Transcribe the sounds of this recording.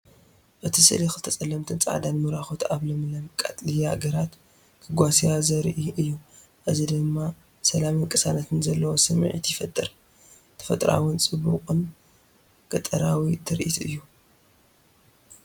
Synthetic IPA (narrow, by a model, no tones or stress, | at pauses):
ʔɨt̪ʰisɨ̰lixɨt̪ʰɐt͡sʼɐlːɐmt̪ʰɨnt͡sʼa̰ʕd̪anmɨɾaxot̪aβlɐmɨlɐmkʼa̰t̪ʼlijaɡɐɾat̪ | kʰɨɡʷasiazɐɾʔiʔɨjːu | ʔɨzid̪ɨmːa | sɐlamɨŋkʼɨsanat̪ʰɨnzɐlːɐwo̞sɨm̰ʕit̪jɪfɐt̪ʼːɨɾ | t̪ʰɐ̥fɐt̪ʼɾa̰wɨnt͡sʼɨbuqʼɨn | kɐt̪ʼɐɾawit̪ʰɨɾʔḭt̪ʰɨjːu